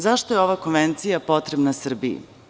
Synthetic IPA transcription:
zaʃt̪ojeo̞ʋako̞nʋe̞nt̪sijapo̞t̪ɾebnasr̩bijḭ

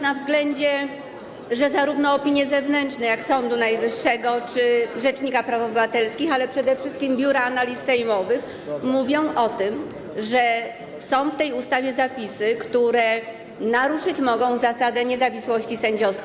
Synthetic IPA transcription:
navzɡlɛɲd͡ʑɛ | ʐɛzaɾuvnɔːpʲiɲjɛzɛvnɛnt͡ʂnɛjaksɔnd̪unajvɘʂːɛɡɔt͡ʂɘʐɛt͡ʂɲikapɾafɔbɘvat̪ɛlskʲixalɛpʂɛd̪ɛfʂɘst̪kʲimbʲjuɾaːnalʲisːɛjmɔvɘx | muvʲjɔ̃w̃ʔɔt̪ɘm | ʐɛ | sɔ̃w̃ft̪ɛjust̪avʲjɛzapʲisɘkt̪uɾɛ | naɾuʂɘt͡ɕmɔɡɔ̃w̃zasad̪ɛɲɛzavʲiswɔɕt͡ɕisɛɲd͡ʑɔskʲ

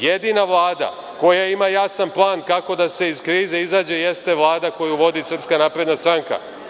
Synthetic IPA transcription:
jed̪inaʋlˠaːd̪a̰ | ko̞jaimajasanplˠaːnkako̞d̪ase̞izkɾiːze̞izaːd͡ʑe̞jest̪e̞ʋlˠaːd̪ako̞juʋo̞d̪isr̩pskanaːpɾe̞d̪nast̪ɾaŋka̰

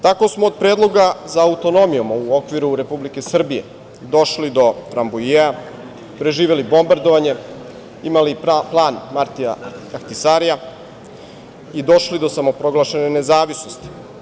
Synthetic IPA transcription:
t̪ako̞smoːd̪̚pɾe̞ːd̪lˠo̞ɡazaːut̪o̞no̞mijomauo̞kʋiɾuɾe̞publike̞sr̩bije̞̰ | d̪o̞ʃlid̪o̞t̪ɾambujea | pɾe̞ʒiːʋe̞libo̞mbaɾd̪o̞ʋaɲe̞ | imaliplˠaːnmaɾt̪ia̰axt̪isaɾija | id̪o̞ʃlid̪o̞samo̞pɾo̞ɡlˠaʃe̞nene̞zaːʋisno̞st̪i̥

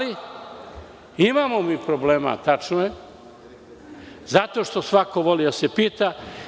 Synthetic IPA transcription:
li | imaːmo̞miːpɾobleːma̰t̪at͡ʃnoje | zat̪o̞ʃt̪osʋako̞ʋo̞lid̪ase̞piːt̪a

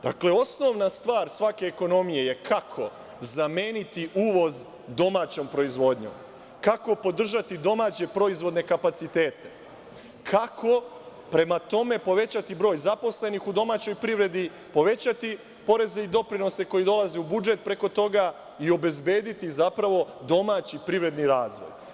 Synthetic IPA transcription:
d̪̥a̰kle̞o̞sno̞ʋnast̪ʋaːɾsʋake̞ːko̞no̞mije̞je̞kʰakʰo̞ | zame̞ːnit̪iʔuːʋo̞z | d̪o̞maːt͡ɕo̞ːmpɾo̞izʋo̞d̪ɲo̰m | kako̞po̞d̪r̩ʒat̪id̪o̞maːt͡ɕe̞pɾo̞izʋo̞d̪ne̞kapat̪sit̪e̞ːt̪e̞̥ | kʰakʰo̞ | pɾe̞mat̪o̞me̞po̞ʋe̞t͡ɕat̪ibɾo̞ːjzapo̞sle̞nixud̪o̞maːt͡ɕo̞jpɾiʋɾe̞d̪i | po̞ʋe̞t͡ɕat̪i | po̞ɾe̞ze̞id̪o̞pɾino̞se̞ko̞jid̪o̞lˠazeubud͡ʒe̞t̪̚pɾe̞ko̞t̪o̞ɡa | io̞be̞zbe̞ːd̪it̪izapɾaʋo̞d̪o̞maːt͡ɕipɾiʋɾe̞d̪niɾaːzʋo̰j

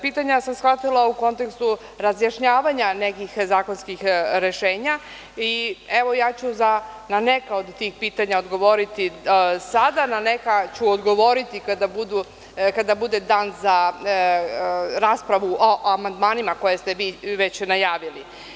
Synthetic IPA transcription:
piːt̪aɲasamsxʋat̪ilˠauko̞nt̪ekst̪u | ɾazjaʃɲaːʋaɲanekixzaːko̞nskixɾe̞ʃe̞ːɲa | ieʋo̞jaːt͡ɕuzananekao̞d̪t̪iːxpiːt̪aɲaod̪ɡo̞ʋoɾit̪isad̪ananekat͡ɕuod̪ɡo̞ʋo̞ɾit̪ikad̪abud̪u | kad̪abud̪ed̪aːnza | ɾaːspɾaʋuʔoʔamand̪maːnimako̞jest̪eʋiːʋet͡ɕnajaːʋili

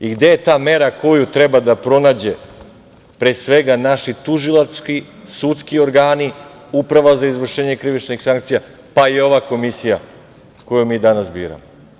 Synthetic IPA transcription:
iɡd̪e̞jet̪aːme̞ɾakʰo̞jut̪ɾe̞bad̪apɾo̞naːd͡ʑe̞ | pɾe̞ːsʋe̞ɡanaʃit̪uʒilˠaskisut̪skio̞ɾɡaːni | upɾaʋazaizʋr̩ʃeːɲekɾiʋit͡ʃnixsaŋk̚t̪sija | paio̞ʋako̞misija | ko̞jumiːd̪anasbḭːɾa̰mo

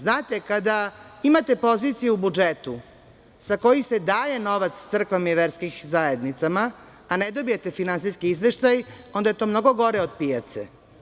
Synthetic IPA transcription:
znaːt̪e̞kad̪aimat̪e̞po̞zit̪sijuubud͡ʒet̪u | sako̞jise̞d̪aːje̞no̞ʋat̪st̪sr̩kʋamiʋeɾskixzaje̞d̪nit̪samaː | ned̪o̞bijet̪e̞finansiskiizʋe̞ʃt̪ajond̪aje̞t̪o̞ːmno̞ɡo̞ɡo̞ɾeod̪̚piat̪sḛ

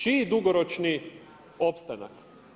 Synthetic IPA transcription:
t͡ʃid̪uɡoɾot͡ʃni | opst̪ana̰k

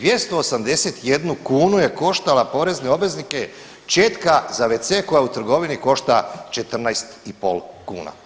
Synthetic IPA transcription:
d̪ʋjest̪o̞ːsamd̪e̞se̞t̪je̞d̪nukuːnuje̞ko̞ʃt̪alapo̞ɾe̞zneo̞bʋe̞znike̞ | t͡ʃe̞ːt̪kazaʋet̪seko̞jaut̪r̩ɡo̞ʋiniko̞ʃt̪at͡ʃe̞t̪r̩najst̪ipo̞̰lkṵːna̰

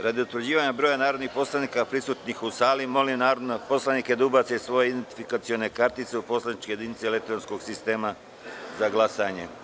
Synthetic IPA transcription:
ɾad̪iut̪ʋɾd͡ʑiːʋaɲabɾoːjanaːɾod̪nixpo̞slˠaniːkapɾisuːt̪nixusaːlimo̞linaːɾod̪nopo̞slˠanike̞d̪aubat̪e̞sʋo̞jeid̪ent̪i̥fikat̪sio̞ne̞kaɾt̪it̪seupo̞slanit͡ʃkeje̞d̪init̪seelek̚t̪oɾonsko̞ɡsist̪e̞ːma | zaɡlˠasaɲe̞̰

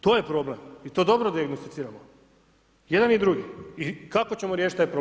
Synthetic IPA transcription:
t̪o̞ːjepɾo̞blemit̪o̞ːd̪o̞bɾod̪iaɡnost̪it̪siːɾamo | je̞d̪anid̪ɾuɡiikako̞t͡ɕe̞moɾje̞ʃit̪ajpɾo

